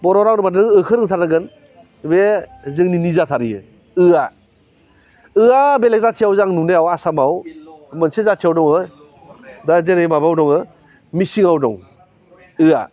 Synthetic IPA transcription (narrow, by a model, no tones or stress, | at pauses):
bɔɾɔɾaŋɾɯmatnɯŋɯkʰɯɾɯŋtʰanaɡɯn | bezɯŋninizatʰaɾijɯ | ɯa | ɯabelek̚zatʰiawzaŋnuneawasamawmɯnsezatʰijawdɔŋɯ | dazeɾemabawdɔŋɯ | misiŋawdɔŋ | ɯa̰